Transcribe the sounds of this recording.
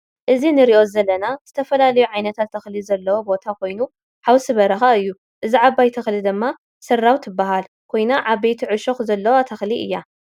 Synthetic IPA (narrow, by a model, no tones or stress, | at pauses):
ʔɨzinɨɾiʔo̞zɐlːɐnaz̥ɨt̪ʰɐfɐlalɐjuʕajnɐt̪ʰat̪ʰːɐxlizɐlːɐwo̞bo̞t̪ʰakʰo̞jnu | ħawsɨβɐɾɐxaɨjːu | ʔɨziʕaβajt̪ʰɐxlid̪ɨmːa | sɐrːawt̪ʰɨbːaɦal | kʰo̞jnaʕaβbejt̪ʰiʕɨʃoxzɐlːɐwat̪ʰɐxliʔɨ̰jːa